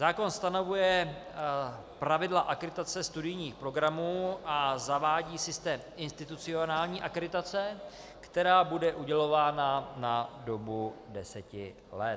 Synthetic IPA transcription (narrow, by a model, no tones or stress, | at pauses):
zaːko̞nst̪ano̞vujɛ | pɾavɪdlaʔakɾɪt̪at͡sɛst̪udɪjɲiːxpɾo̞ɡɾamuːʔazavaːɟiːsɪst̪ɛːmɪnst̪ɪt̪ut͡sɪo̞naːlɲiːʔakɾɪt̪at͡sɛ | kt̪ɛɾaːbudɛʔuɟɛlo̞vaːnanado̞budɛsɛcɪ̰ | lɛt